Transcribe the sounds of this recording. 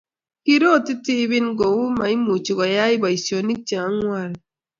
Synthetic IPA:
ki˦ɾo˦˨ti˦ti˦βi˦nɡo˨wu˦ma˨i˦mu˨t͡ʃi˨ɡɔ˨ja˦i˦ba˨i˨sjo˨ni˦k̚t͡ʃa˨˦ŋwa˦˨l

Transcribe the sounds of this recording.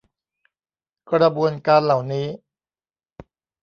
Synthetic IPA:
kɾa˧bu˧ənkaː˧nla˨˩wniː˦˥

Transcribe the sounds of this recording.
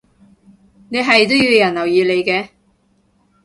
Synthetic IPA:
ne˨˧jɦɐ˨jt̪o˥wjiː˨˧wjɐ˨˩nlɐ˨˩wjiː˨˧le˨˧jkɛː˧

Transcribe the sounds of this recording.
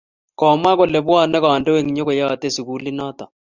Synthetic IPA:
kɔ˨ma˦kɔ˨lɛ˨bwa˦˨nɛ˦kɔ˨a˨ndɛ˦we˦˨ŋɲo˦ko˨ja˦a˨te˦˨su˨ku˦li˦nɔ˦t̪a˨

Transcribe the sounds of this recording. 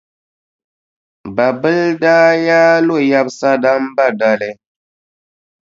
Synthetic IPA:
ba˨bə˦lda˦ja˦lo˦˨ja˦b̚sa˦da˦mba˦˨da˨le˨

